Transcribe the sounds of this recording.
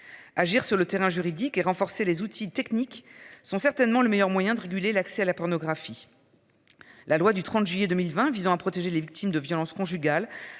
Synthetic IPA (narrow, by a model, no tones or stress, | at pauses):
aʒiʁsyʁlət̪eʁɛ̃ʒyʁid̪ikeʁɑ̃fɔʁselezut̪ʰit̪ɛkniksɔ̃sɛʁt̪ɛnmɑ̃ləmejœʁmwajɛ̃d̪əʁeɡʲylelaksɛalapɔʁnɔɡʁafi | lʔalwad̪yt̪χɑ̃t̪ʒɥijed̪ømilvɛ̃vizɑ̃apχɔt̪eʒelevik̚t̪ʰimd̪əvjɔlɑ̃skɔ̃ʒyɡal